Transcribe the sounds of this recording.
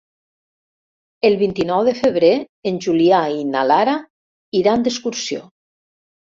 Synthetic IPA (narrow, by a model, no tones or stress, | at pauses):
elˠβint̪inɔwðefəβ̞ɾeː | nʲʒuliainalaɾa | iɾand̪eskuɾsio̰